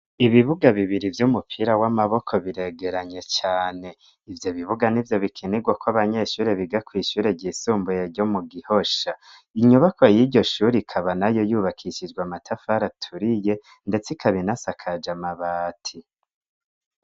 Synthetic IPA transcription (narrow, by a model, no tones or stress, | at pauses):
iβiβuɡaβiβiɾivjumupʰiɾawamaβo̞kʰo̞βiɾe̞ɡe̞ɾaɲe̞t͡ʃaːne̞ | ivjo̞βiβuɡanivjo̞βikʰiniɡwakwoaβaɲe̞ʃuːɾe̞βiɡakwiːʃuːɾe̞ɟisuːmbujeɟo̞muɡiho̞ʃa | iɲuβakojiɟo̞ʃuːɾikʰaβanajo̞juːβakʰiʃid͡ʒɡwamatʰafaɾatʰuɾije̞ | nde̞t͡sikʰaβinasakʰad͡ʒamaβaːtʰi